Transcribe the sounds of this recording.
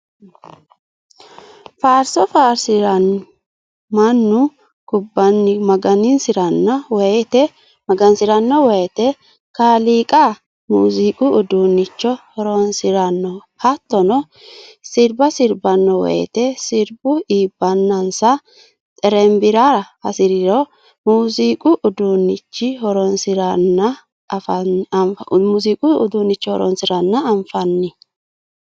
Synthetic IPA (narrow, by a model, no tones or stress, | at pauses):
faːɾsɔfaːɾsɪɾɐn | mɐnːʊ | kʊbːɐnːɪmɐɡɐnɪnsɪɾɐnːɐwt̪ɛ | mɐɡɐnsɪɾɐnːɔwɔjɛt̪ɛ | kaːliːkʼaː | muːzikʼʊːd̪uːnːɪt͡ʃːɔɔɾoːnsɪɾɐnːɔ | hɐt̪ːɔnɔ | sɪɾbɐsɪɾbɐnːɔwɔ̰jɛ̰t̪ɛsɪɾbʊiːbːɐnːɐnsɐ | t̪ʼɛɾɛmbɪɾaːɾɐhɐsɪɾɪɾo | muːzikʼʊʔʊd̪unːɪt͡ʃːɪhɔɾɔnsɪɾɐnːɐ | f | muːziːkʼʊʊd̪uːnːɪt͡ʃːɔhɔ̰ɾɔ̰nsɪɾɐnːɐːɱfɐnːɪ